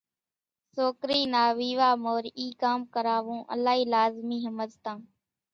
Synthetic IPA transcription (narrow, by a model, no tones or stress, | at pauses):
soːkɾiːnaːʋiːʋaːmoːɾiːkaːmkəɾaːʋũːʔə̰laːɦiːlaːzmiːɦəməzt̪ãː